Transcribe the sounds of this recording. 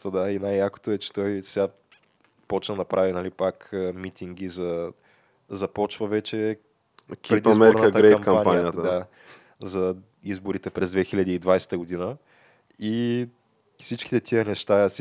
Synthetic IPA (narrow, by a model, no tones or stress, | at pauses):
t̪əd̪ainajːako̥t̪oɛt͡ʃɛ̥t̪ɔjsʲa | pɔt͡ʃnənɐpɾʔavinɐlipakəmit̪iŋɡ̟izɐ | zɐpɔt͡ʃvəvɛt͡ʃɛ | kd̪mɛoɾɾnk̪kəɡ̪ɾɛjɐmkɐmanpanijət̪əd̪a | zɐ | izboɾit̪ɛpɾɛzd̪vɛxilʲad̪iːd̪vajsɛ̥t̪əɡod̪inə | i | fsit͡ʃki̥t̪ɛt̪iənɛʃt̪as